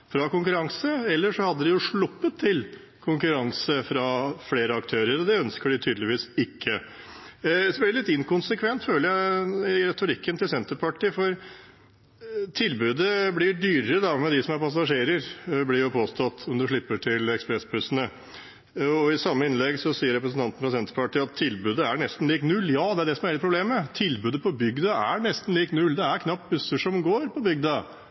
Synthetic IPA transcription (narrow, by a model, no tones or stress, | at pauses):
fɾɑkʊŋkʉɾɑŋsəɛlːəʂɔhɑd̪ːəd̪ɪjʊʂɭʊpːət̪ʰːɪl | kʰʊŋkʉɾɑŋsəfɾɑfleːɾəɑkt̪ʰøːɾəɾɔd̪ɛœnskəɖɪt̪ʰyːd̪lɪʋiːsɪkʰːə | sɔɖɛlɪt̪ːɪŋkʊnsəkʰʋɛnt̪føːləɾjæɪɾɛt̪ʊɾɪkːənt̪ɪlsɛnt̪əɾpʰɑʈiːfɔɾ | t̪ʰɪlbʉːd̪əblɪɖyːɾəɾəd̪ɑmɛd̪ɪsɔmæɾpɑs̬ɑʂeːɾəɾblɪɾjʊpʰoːst̪ʰɑt̪ːɔmd̪ʉʂɭɪpːəʈʰɪlɛkspɾɛsbʉsənə | ɔɪsɑmːəɪnlɛɡsɔsiːəɾɛpɾəsn̩ɑnt̪nfɔsɛnt̪əɾpɑʈɪːɑt̪ʰːɪlbʉːd̪əæɳɛst̪n̩liːknʉlːjɑːd̪ɛæɖɛsɔmæɾɛt̪̚pʰɾʊbleːmːət̪ʰɪlbʉːd̪əpʰɔbʏɡd̪ɑæɳɛst̪n̩liːknʉld̪ɛæɾkʰnɑp̚t̪̚bʉsːəʂɔmɡoːɾpʰɔbʏɡd̪ɑ